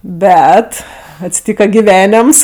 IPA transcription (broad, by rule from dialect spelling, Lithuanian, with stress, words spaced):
ˈbʲɛt ɐtʲsʲɪˈtʲiːkɐ ɡʲɪˈʋʲæːnʲɛms